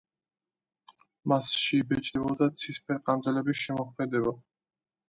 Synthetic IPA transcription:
masʃibɛt͡ʃʼd̪ɛbɔd̪at̪sʰispɛɾqʼand̪zɛlɛbisʃɛmɔχmɛd̪ɛba

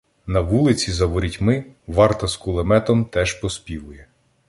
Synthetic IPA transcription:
nɐʋulˠɪt͡sʲizɐʋɔɾʲitʲmɪʋɑrt̪ɐskʊlˠemɛt̪ɔmt̪ɛʒpɔspʲiʋʊjɛ

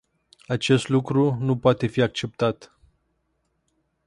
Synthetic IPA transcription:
at͡ʃe̞st̪lukɾunupoat̪e̞fiak̚t͡ʃe̞p̚t̪at̪

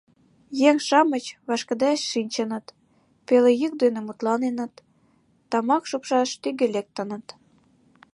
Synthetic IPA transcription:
jeŋʃɑmət͡ɕβɑʃkə̆d̪ɑʃʃinʲt͡ɕə̆nə̆t̪ | pelejyk̚d̪enemut̪lɑnenə̆t̪ː | ɑmɑkʃupʃɑʃt̪yɡelek̚t̪ənə̆t̪

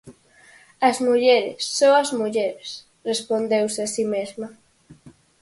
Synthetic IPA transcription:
ɐzmuʎeɾɪ̰sːõɐzmuʎeɾes | respond̪ewsɪasimezma

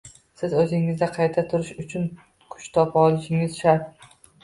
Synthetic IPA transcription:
sɪzɵzɪŋɪzd̪aqʰɑjt̪ʰat̪ʰʊɾɪʃʊt͡ʃʰʊn | kʰʊ̥t͡ʃt̪ʰɒpʰɒlˠɪʃɪŋɪz̥ʃaɾt̪

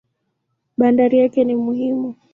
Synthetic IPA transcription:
ɓandaɾijakɛnimuhimu

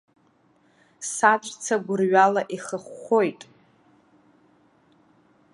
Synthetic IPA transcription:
sat͡ʃʷʼt͡sʰaɡʷʊrɥalaʔiχəχʷojtʼ

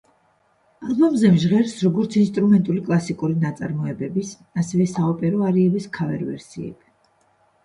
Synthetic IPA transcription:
alˠbɔmzɛmʒʁɛɾsɾɔɡɔɾt̪sʰinst̪ʼɾumɛnt̪ʼulikʼlˠasikʼuɾinat̪sʼaɾmɔɛbɛbis | asɛvɛsaɔpʼɛɾɔaɾiɛbiskʰavɛ̰ɾvɛ̰ɾsḭɛ̰b

